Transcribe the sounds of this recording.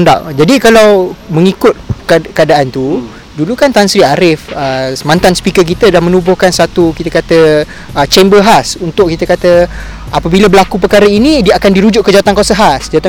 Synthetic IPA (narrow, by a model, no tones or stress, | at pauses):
nda̰ʔd͡ʒadikalawməŋikʊt̪̚kkəadaʔant̪u | dulukant̪ansɾiaɾɪfəsəmãnt̪anspikək̬it̪ədahmənubʊhkansat̪ukit̪əkat̪ə | ət͡ʃɛmbəlɦasunt̪ʊʔkit̪əkat̪ə | ʔapəbiləbəlakup̬əkaɾəinĩdiəakandiɾud͡ʒʊʔ̚kːəd͡ʒaat̪ankwasəɦasd͡ʒat̪a